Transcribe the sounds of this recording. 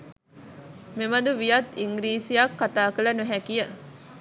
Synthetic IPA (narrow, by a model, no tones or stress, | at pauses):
memɐd̪uʋijɐt̪iŋɡɾiːsijakːat̪aːkələnuɦækijə